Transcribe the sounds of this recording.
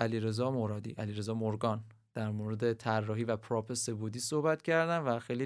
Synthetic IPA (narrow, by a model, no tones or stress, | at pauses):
ʔæliɾe̞zɒːmoɾɒːd̪ḭʔæliːɾe̞zɒːmoɾɡɒːn | d̪̥æɾmoɾed̪e̞t̪ʰærːɒːɦivæpʰɾɒːpese̞bud̪iːsohbæt̪cʰæɾd̪ænvæxejli